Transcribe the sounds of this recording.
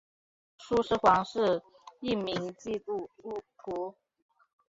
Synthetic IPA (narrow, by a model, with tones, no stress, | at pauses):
ʂu˥ʂɻ̩˥xwɑ˧˥ŋʂɻ̩˥˩ | i˥˩mi˧˥ŋt͡ɕi˥˧t̪u˥˧˩u˥˩p̪ʰu˧˥